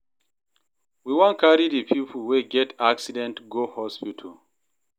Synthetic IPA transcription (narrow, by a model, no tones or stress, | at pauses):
wiwɔ̃nkʰaɹidəpʰipʰl̩weɡɛtʰaksidɛ̃ntɡohɔspitʰəl